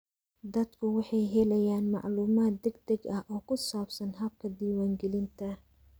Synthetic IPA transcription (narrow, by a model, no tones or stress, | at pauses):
d̪ɐd̪kʰʊwɑħɑjɦɛlɛjaːnmɑ̰ʕluːmaːt̪̚ːɛɡ̚d̪ɛɡɐhʔɔːkʰʊsaːbsɐnɦɐb̚kʰɐd̪iːwaːŋɡɛlɪnt̪ʰɐ